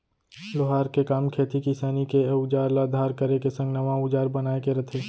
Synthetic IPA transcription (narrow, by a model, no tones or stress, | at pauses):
loɦaːɾkekaːmkʰeːt̪ikisaːnikeʊd͡ʒaːɾlad̪ʱaːɾkəɾekesɐ̃ŋɡnɐʋãʊd͡ʒaːɾbɐnaːekeɾɐt̪ʰeː